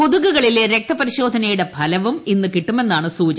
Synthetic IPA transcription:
ko̞ðuɣuɣɐɭileɾe̞k̚t̪ɐpɐɾiɕo̞ːd̪ʱɐnɐjuɽe̞bʱɐlɐʋuminːɨkiʈːume̞nːaːɳɨsuːt͡ɕɐ

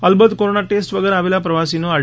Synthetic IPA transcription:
əlbət̪koɾonaʈesʈʋəɡeɾaʋelapɾɐʋasinoa

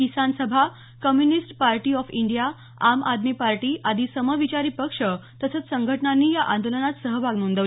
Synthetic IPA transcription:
kisansəbʱa | kəmjunisʈpaɾʈiːɔfiɳɖija | amʔad̪miːpaɾʈiːʔad̪ʱiːsəməʋit͡ɕaɾiːpəkʂət̪əsət͡ssəŋɡʱəʈənanːiːjaʔand̪olənat̪səɦəbʱaɡnund̪əʋ

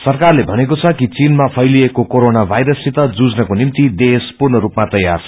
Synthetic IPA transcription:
sʌrkarlebʱʌnekot͡sʰʌkit͡sinmapʰʌjliekokoɾonabʱajɾʌsit̪ʌd͡zud͡znʌkonimt̪id̪espurnʌɾupmat̪ʌjːarʰʌ

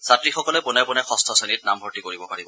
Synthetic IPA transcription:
satɹixɔkɔlɛpʊnɛpʊnɛxɔstʰɔsenit̚nambʱɔɹtikoɹibɔpaɹibɔ

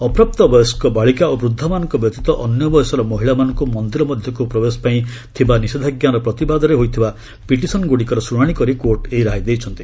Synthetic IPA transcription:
ɔpɾap̚t̪ɔbɔjɔskɔbaɭikaobɾud̪ʱːɔmanɔŋkɔbjɔt̪it̪ɔʔɔnjɔbɔjsɔɾɔmɔɦiɭamanɔŋkumɔnd̪iɾɔmɔd̪ʱjɔkupɾɔbesɔ̥paĩt̪ʰibanised̪ʱaɡjaɾɔpɾɔt̪ibad̪ɔɾeɦojt̪ʰiba | piʈisɔnɡuɽikɔɾɔsɾuɽ̃aɽ̃ikɔɾikoɾʈeiɾaɦid̪ejt͡ʃʰɔnt̪i

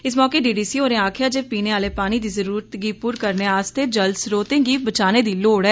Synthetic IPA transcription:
ɪsmɔːkeːɖiːɖiːsiːɦoːɾẽːaːkʰɪjaːd͡ʒeːpiːneːʋaːleːpaːniːd̪iːzəɾuːɾət̪ɡiːpuːɾkəɾneːaːst̪eːd͡ʒəlsɾoːt̪ẽːɡiːbət͡ʃaːneːd̪iːloːɽɛː

